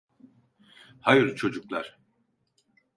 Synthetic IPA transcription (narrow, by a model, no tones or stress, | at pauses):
hajɯɾt͡ʃʰo̞d͡ʒuklˠaɾ̥